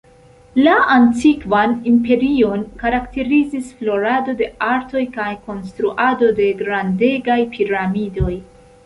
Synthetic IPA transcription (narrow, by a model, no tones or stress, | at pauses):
laantikvanimpe̞ɾio̞nkaɾakte̞ɾizisflo̞ɾado̞de̞aɾto̞jkajko̞nstɾuʔado̞de̞ɡɾande̞ɡajpʰiɾamido̞j